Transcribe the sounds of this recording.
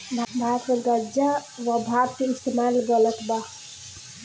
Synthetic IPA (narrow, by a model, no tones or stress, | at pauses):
bʱbʱatmelɡəɾd͡ʒaʋabʱabkeist̪ʰemalɡələt̪ba